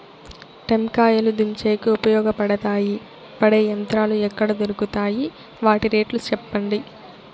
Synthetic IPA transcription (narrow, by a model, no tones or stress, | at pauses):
ʈemkaːjɐlud̪umt͡ʃeːkiupɐjɔːɡɐpɐɽɐt̪aːji | pɐɽejɐnt̪ɾaːluɛkːɐɽɐd̪oɾukut̪aːji | ʋaːʈiɾeːʈlut͡ʃɛpːɐɳɖi